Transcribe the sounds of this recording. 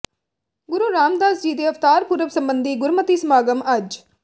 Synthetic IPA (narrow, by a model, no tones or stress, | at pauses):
ɡʊɾuːɾaːmd̪aːsd͡ʒiːd̪eːɐft̪aːɾpuɾəʋsɐmbənd̪iːɡʊɾmət̪iːsəmaːɡəmɐd͡ʒ